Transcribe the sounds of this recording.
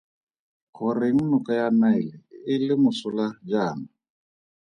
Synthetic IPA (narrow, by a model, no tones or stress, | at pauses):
kʰɔɾeŋ̩nukʼajanailɛɪlɪmʊsʊlad͡ʒaːna